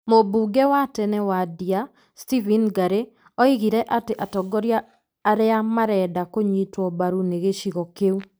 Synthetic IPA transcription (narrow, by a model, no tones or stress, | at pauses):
mobuːɡɛwatɛnɛwadia | stivinɡaɾe | ɔiɣiɾɛʔateʔatɔɡɔɾjaː | ɾeamaɾɛdakoɲitwɔbaɾuneɣeʃiɣɔkeu